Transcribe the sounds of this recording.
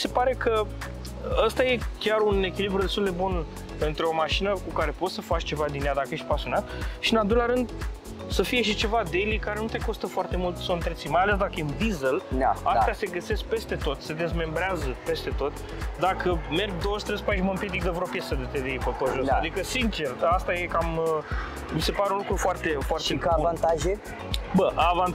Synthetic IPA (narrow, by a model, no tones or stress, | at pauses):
se̞paɾe̞kə | əst̪aje̞kʲaɾune̞kʲilibɾud̪e̞st̪uld̪e̞bun | ɨnt̪ɾeo̞maʃinəkukaɾe̞po̞t̪səfat͡ʃʲt͡ʃe̞vad̪inead̪akəjeʃt̪̚ʲpasijo̞nat̪̚ʃiɨnald̪o̞jlʲaɾɨnd̪ | səfije̞ʃit͡ʃe̞vad̪ejlikaɾe̞nut̪e̞ko̞st̪əfoart̪e̞mult̪sowɨnt̪ɾet̪simajalesd̪akəjend̪izelast̪ease̞ɡəse̞sk̚pe̞st̪e̞t̪o̞t̪se̞d̪e̞zme̞mbɾeazəpe̞st̪e̞t̪o̞t̪ʲ | d̪akʰəme̞rɡ̚d̪o̞wəʃt̪ɾespat͡ʃməmpjed̪ik̚d̪əvɾopjesəd̪et̪ed̪elipəpəʒosad̪ikəsint͡ʃe̞rast̪aje̞kam | mise̞paɾeunlukɾufoart̪e̞foart̪ekavant̪aʒe | bəʔavan